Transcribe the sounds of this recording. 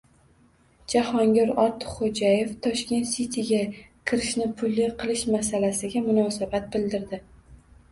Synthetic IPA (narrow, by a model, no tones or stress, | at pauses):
d͡ʒahɒŋɡʲɪɾɒɾt̪ʰɪ̥χod͡ʒaje̞ft̪ʰɒʃkʲe̞nt̪sit̪ʰiɡʲa | kʲʰɪɾɪʃnɪpʰʊlːɪqʰɨlˠɪʃmasalasɪɡʲamʊnɒːsabat̪̚bɪld̪ɪɾd̪ɪ